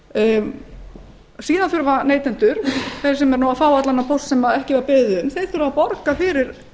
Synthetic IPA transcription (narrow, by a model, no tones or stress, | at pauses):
siːðanθʏɾvaneːjt̪ɛnt̪ʏɾ̥θej̥sɛmɛɾnawafaːwat̪lanːapʰowstsɛmaðɛhcɪvaɾpɪðʏðʏmθejɾ̥θʏɾvapɔɾkafɪɾɪɾ̥